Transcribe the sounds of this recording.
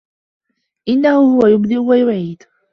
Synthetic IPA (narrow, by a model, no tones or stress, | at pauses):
ʔɪnːahʊhʊwajʊbd̪ɪlwajʊʕiːd̪̥